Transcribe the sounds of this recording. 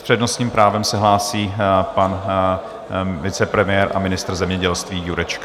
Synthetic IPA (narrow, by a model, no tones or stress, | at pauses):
spr̥ɛdnosɲiːmpɾaːvɛmsɛɦlaːsiːpan | vɪt͡sɛpɾɛmɪjɛːɾʔa̰mɪnɪst̪r̩zɛmɲɛɟɛlst̪viːjuɾɛt͡ʃka